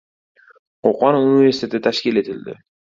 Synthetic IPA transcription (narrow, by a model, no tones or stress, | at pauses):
qʰoqɒnuniveɾsɪ̥t̪ʰe̞t̪ʰɪt̪ʰaʃkʲɪle̞t̪ʰɪld̪ɪ̰